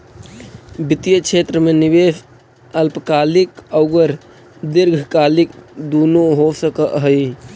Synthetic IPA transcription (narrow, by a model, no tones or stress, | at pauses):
bɪt̪ijəkʃʰeːt̪ɾəmẽnɪʋeːʃ | əlpəkaːlɪkəʊɡəɾ | d̪ɪɾɡʱkaːlɪkd̪uːnoɦosəkəʔɦəi